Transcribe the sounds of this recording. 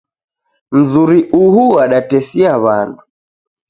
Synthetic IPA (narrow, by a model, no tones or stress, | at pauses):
m̩zuɾiʔuhuaɗatɛsiaβa̰ndu